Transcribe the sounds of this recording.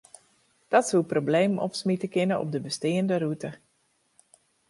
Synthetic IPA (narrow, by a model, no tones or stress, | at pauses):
d̥ɔtsuprobleːmɔ̰psmitəkɪnəʔɔ̰p̚dəbəsteːəndəɾutə